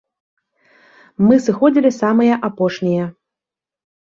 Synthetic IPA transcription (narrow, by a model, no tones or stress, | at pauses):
mɨsɨxɔd͡zʲilʲisamɨjɐʔapɔʂnʲijɐ